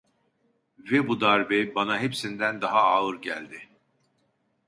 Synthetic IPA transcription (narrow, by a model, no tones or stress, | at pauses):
vɛbud̪aɾbɛbanaɦepsind̪ænd̪aɦaaːɯɾɟælʲd̪ɪ